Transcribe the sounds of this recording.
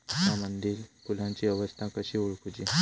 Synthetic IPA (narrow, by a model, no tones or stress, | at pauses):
ɦamənd̪iːlkulãɲt͡ɕiəʋəst̪ʰãkəɕiuɭkud͡ʑi